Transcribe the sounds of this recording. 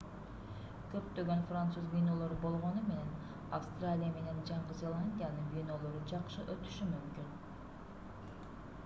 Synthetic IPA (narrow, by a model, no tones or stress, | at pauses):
kø̞p̚t̪ø̞ɡø̞nfrant̪suzbʲijno̞lˠo̞ɾbo̞lˠʁo̞nume̞ne̞n | afst̪ralʲijame̞ne̞nd͡ʒɑɴʁɯzʲe̞lˠanʲd̪ʲijanɯnbijno̞lˠo̞ɾud͡ʒɑqʃɯʔø̞t̪y̥ʃymymkyn